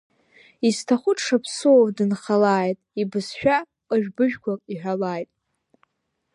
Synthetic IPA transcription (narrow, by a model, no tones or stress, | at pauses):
iztʰaχʷʊtʰʂapʰsɨovdɨnχalaːjtʼibɨsʃᶣa | qʼəʒᶣbɨʒᶣɡʷakʼiħʷᶣalaːjtʼ